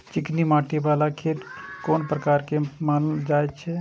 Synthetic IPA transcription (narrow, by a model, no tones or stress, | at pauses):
t͡ʃɪknimaːʈibaːlakʰeɾkoːnpɾəkaːɾkemaːnd͡ʒaːet͡ʃʰɛ